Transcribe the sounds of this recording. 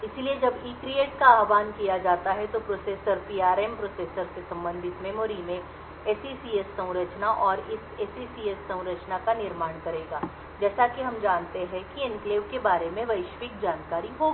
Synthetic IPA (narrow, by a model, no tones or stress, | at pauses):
ɪsilied͡ʒɐbiːkɾieːʈkaaːʋaːnkijad͡ʒaːt̪aɦɛt̪opɾoːseːsəɾpiːaːɾɛmpɾoːseːsəɾsesɐ̃mbə̃nd̪ʱɪt̪mẽmoːɾimẽ | eːsisiːesːɐ̃w̃ɾət͡ʃnaʔɔːɾɪseːsisiːesːɐ̃w̃ɾət͡ʃnakanɪɾmaːɽ̃kɐɾeːɡaː | d͡ʒɛːsakiɦɐmd͡ʒaːnt̪eɦɛ̃kiɪnkleːʋkebaːɾemẽʋɐɪʃʋɪk̚d͡ʒaːnkaːɾiɦoːɡi